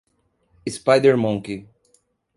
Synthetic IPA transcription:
ispajd̪ɛɾmɔ̃ŋki

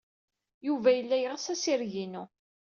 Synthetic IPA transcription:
juvæjəlːæjʁsæsiɾʝinu

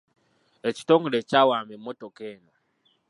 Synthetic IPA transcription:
eci̥toŋɡulecawamemotokena

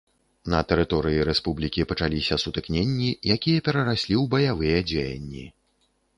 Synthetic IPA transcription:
nɐt̪ɛɾɨt̪ɔɾɨjiɾɛspublʲikʲipɐt͡ʂalʲisʲɐsut̪ɨknʲenʲːijakʲijɐpʲɛɾɐɾasʲlʲiwbɐjavɨjɛd͡zʲejɐ̰nʲːḭ

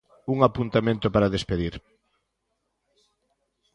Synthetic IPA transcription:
uŋapunt̪amẽnt̪ʊpaɾaðespeðiɾ

